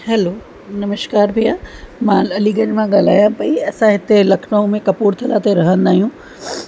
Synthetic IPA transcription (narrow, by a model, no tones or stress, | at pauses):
hɛloː | nɐməʃkaːɾbʱijaːmãɐliːɡənmãɠaːl̤aːjãpɐiɐsãɦɪt̪elɐkʰnaõmẽkɐpuːɾt̪ʰɐlaːt̪eɾɐɦə̃nd̪aːɦijũː